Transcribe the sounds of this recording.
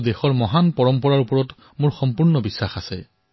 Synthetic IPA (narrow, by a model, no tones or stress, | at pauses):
dexɔɹmɔɦanpɔɹɔmpɔɹaɹupɔɹɔt | mʊɹxɔmpuɹnɔbisːaxasɛ